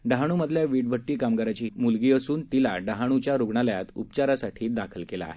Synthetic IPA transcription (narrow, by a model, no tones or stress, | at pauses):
ɖaɦaɽ̃uməd̪ʱljaʋiɖbʱəʈːiːkamɡaɾat͡ɕiːmulɡiːəsuːnt̪ila̰ɖəɦaɽ̃ut͡ɕjaɾoɡɳaljat̪upt͡ɕaɾasaʈʰiːd̪akʰəlkela̰ːɦe